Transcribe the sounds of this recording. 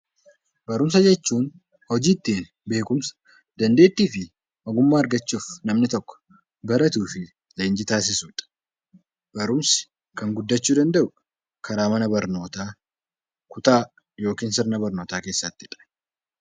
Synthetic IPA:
bɐɾʊms̬ɐd͡ʒɛt͡ʃːuːn | hɔd͡ʒiːt̪ːiːn | be̞ːkʊmsɐ̥ | d̪̥ɐnd̪e̞ːt̪ːiːfɪ | ʔɐɡʊmːaːɐɾɡɐt͡ʃːuːfnɐmnɪt̪ɔkːɔ̥ | bɐɾɐt̪uːfɪ | le̞ːnd͡ʒɪt̪aːs̬ɪsuːᶑɐ̥ | b̥ɐɾʊmsɪ̥ | kɐŋɡʊd̪ːɐt͡ʃːuːd̪ɐnd̪ɐʔʊ | kʰɐɾaːmɐnɐbɐɾno̞ːt̪aː | kʊt̪aː | jo̞ːkiːnsɪɾnɐbɐɾnoːt̪aːke̞ːsːɐt̪ːɪ̥ᶑɐ̥

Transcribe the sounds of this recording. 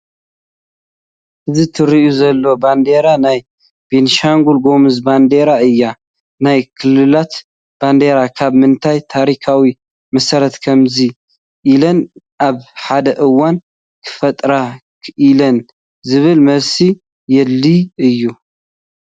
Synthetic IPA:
ʔɨzit̪ʰɨɾiʔuzɐlːo̞band̪e̞ɾanaj | b̥enʃaŋɡulɡo̞mɨzband̪e̞ɾaɨjːa | najkʰɨlːɨlat̪ | b̥and̪e̞ɾakʰaβmɨnt̪ʰajt̪ʰaɾikʰawi | mɐsɐɾɐt̪kʰɐmzi | ʔːlɐn | ʔaβħad̪ɐʔɨwːan | kʰɨ̥fɐt̪ʼɾa | kʰʔilɐn | zɨβɨlmɐβsi | jɛlːiɨjːu

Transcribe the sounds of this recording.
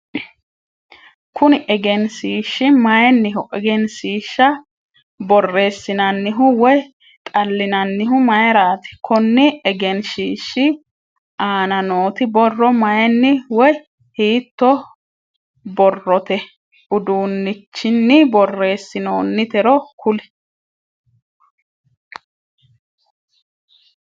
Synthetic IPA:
kʊnʔɛɡɛnsiːʃːɪmɐjɛnːɪɦʊʔɛɡɛnsiːʃːɐ | bɔrːe̞ːsːɪnɐnːɪɦʊwɔj | t̪ʼɐlːɪnɐnːɪɦʊmɐjɛɾaːt̪ɪ̥kʰɔnːɪɛɡɛnʃiːʃːɪ | ʔaːnɐno̞ːt̪ɪbɔrːɔmɐjɛnːɪwɔj | hiːt̪ːɔ | bɔrːɔt̪ɛ | ʊd̪uːnːɪt͡ʃːɪnːɪbɔrːe̞ːsːɪnoːnːɪt̪ɛɾɔkʊlɛ̥

